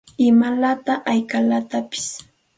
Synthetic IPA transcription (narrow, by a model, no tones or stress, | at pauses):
ɪmalat̪aʔajkalat̪apɪ̥s